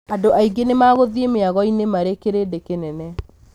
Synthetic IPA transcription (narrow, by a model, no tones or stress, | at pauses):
adoʔaiɡenemaɣoðiemeaɣɔinemaɾekeɾedekenɛnɛ